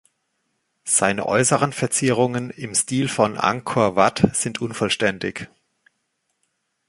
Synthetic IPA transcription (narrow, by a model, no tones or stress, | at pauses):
z̥aɪnə̰ʔɔ̰ʏsəʁ̞ənfɛɐt͡sɪʁ̞ʊŋənɪmstiːlfɔnʔa̰ŋkʰoːɐvatz̥ɪntʰʔʊnfɔlʃtɛndɪç